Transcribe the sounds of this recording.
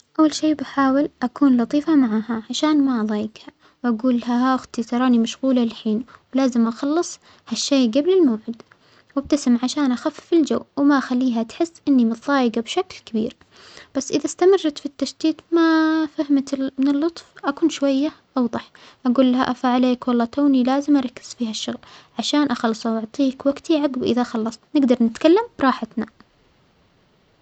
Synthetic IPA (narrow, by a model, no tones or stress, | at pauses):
ʔawːalʃeːbaħaːwɪlʔakuːnlɑt̪ˤiːfamaʕaːhaʕaʃaːnmaʔɑðˤɑːjɪɡha | wʔaɡuːlaɦaaʔʊxt̪it̪ɑɾˤɑːnimaʃɣuːlaɪlħiːnwlaːzɪmʔɑxɑlːɨsˤ | haʃːeːɡablɪlmaːʕɪd̪ | wab̚t̪asɪmʕaʃaːnʔaxafːɪld͡ʒawːwɪmaʔxalːiːɦat̪ħɪsːʔɪnːimɨt̪ˤðˤɑːjɪɡabʃaklkabḭːɾ | b̥asːʔɪðast̪amɪrˤːɑt̪fit̪ːaʃd̪iːt̪mafahmat̪mɪnɪlːʊt̪ˤfʔakuːnʃwajːaʔɑwðˤɑħʔaɡuːlːaɦaʔafaʕaleːkwɑlˤːɑːt̪aːnilaːzɪmʔɑɾˤɑkːɪ̥z̥fiːhaʃːʊɣlʕaʃaːnʔaxɑlːsˤawʔʊʕt̪ˤiːkwaɡt̪ʰiʕaɡbʔɪ̰ðaxɑlːɑsˤt̪nɪɡd̪ɑɾˤnɪt̪kalːamb̥ɾˤɑːħat̪na